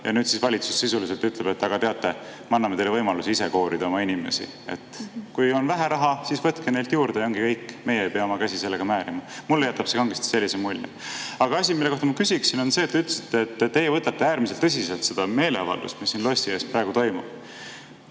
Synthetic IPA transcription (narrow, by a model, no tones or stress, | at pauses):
jɑ̰nyːd̪t̪sisvɑlʲit̪su̥sːisulis̬e̞lt̪yt̪leb̥e̞t̪ːɑɡ̥ɑt̪e̞ɑt̪ːe̞mɑnːɑmet̪e̞jlevɤjmɑluseise̞ko̞ːɾid̪ɑo̞mɑinʲime̞̰sḭ | e̞̰t̪ːkujo̞nvæɦæɾɑɦɑsisvɤt̪kene̞jlt̪juːrd̪ejo̞ŋɡikɤjkːme̞jeejpeɑomɑkæsise̞lːeɡ̥ɑmæːɾimɑmulːejæt̪ːˑɑb̥se̞kɑŋɡ̥est̪i̥se̞lːisemul̰ʲː | ɑɡ̥ɑɑsʲimilːekot̪ɑmɑkysʲiksino̞nse̞ːt̪ːeyt̪l̥esi̥t̪ːet̪ːt̪ːe̞jevɤt̪ːˑɑt̪ːe̞æːɾmis̬elt̪ːɤs̬ʲiselt̪se̞d̪̥ɑme̞ːle̞ɑvɑ̰ld̪ṵst̪misːinlo̞sʲt̪ie̞ːsprɑe̞ɡut̪o̞jmub̥